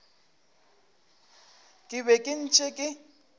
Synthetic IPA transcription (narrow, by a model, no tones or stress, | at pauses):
kʼɪβɛkʼɪn̩t͡ʃʼɪkʼɪ